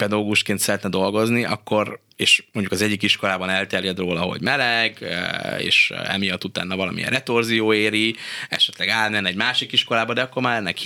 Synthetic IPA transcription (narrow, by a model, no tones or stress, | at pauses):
pɛd̪ɒɡoɡuʃkeːnt̪sɛɾɛt̪nɛd̪o̞lɡo̞zniʔɒ̰kːo̞r | eːʃmoɲɟukɒzɛɟːikiʃko̞laːbɒnɛlt̪ɛrjɛd̪roːlɒɦo̞̰ɟmɛlɛɡ̰ḛːʃɛ̰mijɒt̪ːut̪a̰ːnːɒvɒlɒmḭrɛt̪orzijoːeːɾiɛ̰ʃɛt̪lɛɡaːt̪nɛnɛɟmaːʃikiʃko̞laːbɒd̪ɛɒkːo̞rmaːɾlɛnːɛk